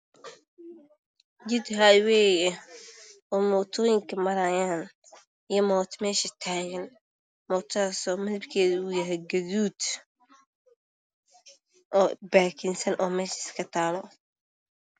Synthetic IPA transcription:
d͡ʒɪd̪ɦawɛːjɛ | ɔːmɔːt̪ʰɔːjɪŋkʰɐmɐɾajaːn | ɪjɔmɔːt̪ʰmɛːʃɐt̪ʰaːɣɐn | mɔːt̪ʰaːsɔːmɐðɐbkʰɛːðɐujɐɦɛɡɐðuːd̪̥ | ʔɔːbaːkʰɪnsɐnʔɔːmɛːʃɐɪskʰɐt̪ʰaːlɔ

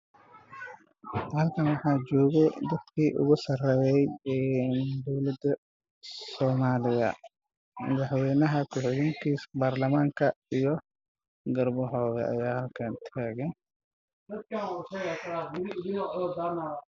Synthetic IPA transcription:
hɐlkʰɐnwɑħɑːd͡ʒɔːɣɛd̪ɐd̪kʰiːʔʊ̰ɣʊsɐrɛjɛjɛːnd̪ɔwlɐd̪ɐ | sɔːmaːlɪjɐ̰ | mɐ̰ðɑħwɛːnɐɦɐkʰʊħɪɣɪŋkʰiːsbaːrlɐmaːŋkʰɐijɔ | ɡɐrbɔɦɔːɣɐ̰ʔɐ̰jaːhɐlkʰɐnt̪ʰaːɣɛn | d̪ɐd̪̚kɐʊsɐjɛːkɐɾaɡɪɾiɪd̪ɪŋɔʔɔlɔd̪aːnaːwɐ

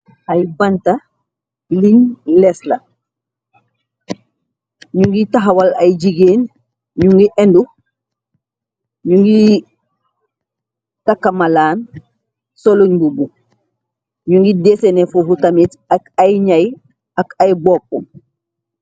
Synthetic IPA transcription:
ajbanta | liɲlɛsla | ɲuŋɡitaɦawalajd͡ʒiɡeːn | ɲuŋɡiʔɛndu | ɲuŋɡi | takːamalaːn | soloɲbubu | ɲuŋɡidesenefohutamit | akajɲaj | akajbɔːp̚ːum

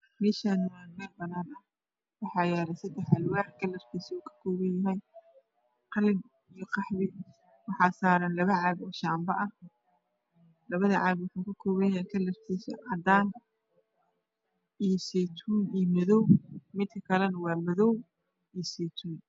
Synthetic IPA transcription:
mɛːʃanamɐlbɐnaːnɐh | wɑħɑːjaːlɐsɐd̪ɛħɐlwaːħkʰɐlɐrt̪ʰisuːkʰɐ̥kʰɔːβɐjɐɦɛj | qɑlɪn | ijɔqɑħβɪ | wɑħɑːsaːɾɐnlɐβɐʕɑːbɔːʃaːmbɐʔɐh | lɐβɐðɐʕɑːβukʊkʰɐkʰɔːβɐjɐajkʰɐlɐrt̪ʰisɐ̰ʕɑd̪aːn | ijɔsɛt̪ʰuːnijɔmɐðɔwmɪd̪̚kʰɐkʰɐlɛnɐwɑːmɐðɔw | ijɔsɛːt̪ʰuːn

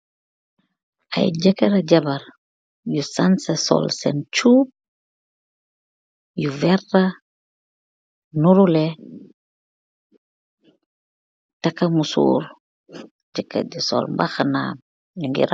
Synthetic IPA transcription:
ʔɐ̰jɟɐkɐɾɐɟɐbɐɾ | jusansesɔ̰lsɛnt͡ʃuːp̚ | juvɛrɐ | nuɾulɛ | tɐkːɐmusṵːɾ | tikɐ̰disɔ̰lmbaxana̰ːm | juŋɡḭɾ

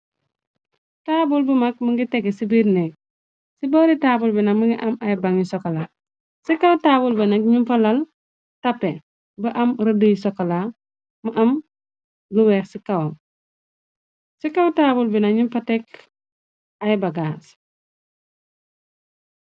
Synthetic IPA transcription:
taːbulbəmak̚məŋɡiteɡesibiɾnek̚ | sibɔɾitaːbulbinaməŋɡiʔɐmajibaŋisokala | sikɐwtabulbinɐkɲumfɐlɐl | tɐpːe | bəʔɐmɾɐdujisokala | muʔɐm | luwɛːxsikawom | sikawtaːbulbinaɲumpatek | ajbaɡaːs

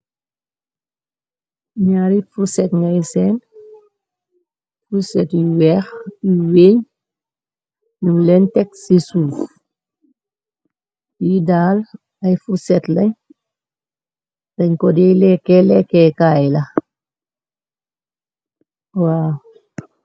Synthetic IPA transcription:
ɲaːɾifuɾsɛtŋɐjsɛn | fuɾsɛtjiwɛːxjiweːɲ | ɲulɛntɛk̚sisuːf | jidaːl | ɐjfuɾsɛtlɐɲ | dɐɲkɔdɛjlɛkːɛlɛkːɛkaːjlɐ | waː

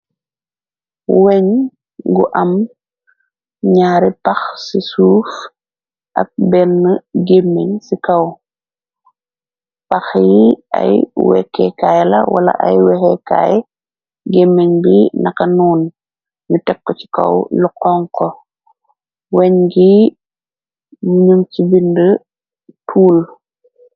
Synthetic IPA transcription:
wɛɲ | ɡṵʔɐm | ɲaːɾipɐxsisuːf | ʔɐ̰k̚bɛnːəɡemːeɲsikɐw | pɐxjiɐ̰jwɛ̰kːɛkajlɐ̰wɐlɐ̰ʔɐ̰jwɛxɛka̰ːjɛ | ɡemːeɲbinɐkɐnuːn | ɲutɛkːɔci̥kɐ̰wluqɔŋkɔ | wɛɲɡi | mɲumcibində | tʰuːl

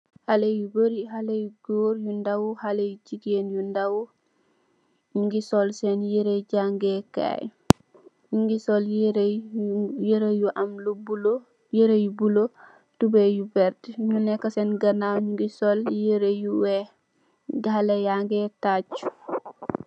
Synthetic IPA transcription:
halejubəɾiɦalejuɡoːɾjundawuhalejut͡ʃiɡenjundawu | juŋɡisɔlsɛnjeɾeɟaŋɡɛka̰j | ɲuŋɡisɔljɾ | jeɾejuʔamlubulo | jeɾejubulo | tubɛjubɛɾtɲunɛkːasɛnɡɐnawɲuɡisoljeɾejuwɛ | ɡɦalejaŋɡɛtat͡ʃu̥

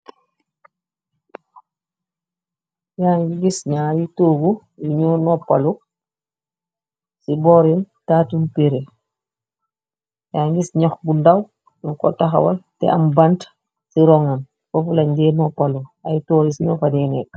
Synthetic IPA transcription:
jaɲɡiɡisɲaːjitoːɡu | juɲɔːnɔpːalu | sibɔɾintaːtumpeɾe | jaːnɡisɲɔxbundaw | unkɔ̰taxa̰waltɛ̰ʔambant | siɾɔŋan | fɔfulaɲdɛːnɔpaluajitoːɾisiɲɔfadɛːnɛk

